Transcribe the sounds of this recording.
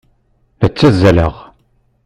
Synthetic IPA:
ðæt͡sːæzːæləʁ

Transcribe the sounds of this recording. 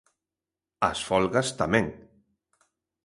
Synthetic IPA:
a̰sfɔlɣast̪amẽŋ

